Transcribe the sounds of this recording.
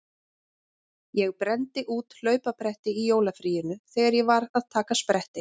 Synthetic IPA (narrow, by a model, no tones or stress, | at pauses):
jɛɣpɾɛnt̪ɪʔuːt̪l̥œːɥpapɾɛht̪ɪijoːwlafɾiːjʏnʏθɛːɣaɾjɛvaɾað̥t̪ʰaːkaspɾɛht̪ɪ